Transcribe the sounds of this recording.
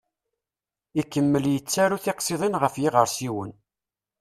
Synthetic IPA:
ikːəmːəljət͡sːæɾuθɪqsˤiðˤinʁəfjiʁəɾsiwən

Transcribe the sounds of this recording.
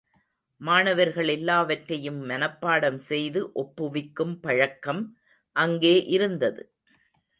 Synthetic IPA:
maːɳɐʋɐɾɣɐɭɛlːaːʋɐʈɾɐjɯmːɐnɐpːaːɽɐmsɛjðɯʔɔpːɯʋɪkːɯmpɐɻɐkːɐm | ʔɐŋɡeːʔɪɾɯnd̪ɐðɯ

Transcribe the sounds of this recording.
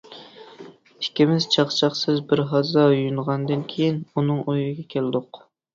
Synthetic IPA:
i̥kʲːimɪz̥t͡ʃʰɑχt͡ʃʰɑχsɨzbɪɾɦɑzɑjujunʁɑnd̪ɨnkʲʰejinunɨŋojʁɨɡʲɛkʲʰelɪd̪ʊq

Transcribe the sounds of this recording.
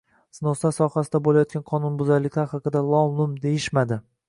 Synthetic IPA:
snosasɒhasɪd̪abolajɒt̪̚kʲanqʰɒnʊnbʊzaɾlɪkʲlaɾhɑqʰɨd̪alˠɒlˠʊmd̪e̞jɪʃmad̪ɪ

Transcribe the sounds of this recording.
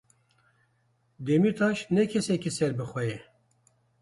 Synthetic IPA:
d̪emit̪ʰɑːʃnɛkʰɛsɛkisɛɾbɨxwɛjɛ

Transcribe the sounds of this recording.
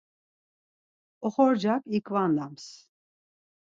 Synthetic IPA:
ɔχɔɾd͡ʒakʰikʰvand̪ams

